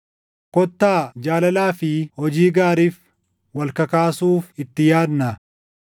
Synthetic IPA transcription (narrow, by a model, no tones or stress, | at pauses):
kɔt̪ːaːd͡ʒaːlɐlaːfɪhɔd͡ʒiːɡaːɾiːf | wɐlkɐkaːsuːfɪt̪ːɪjaːd̪nɐ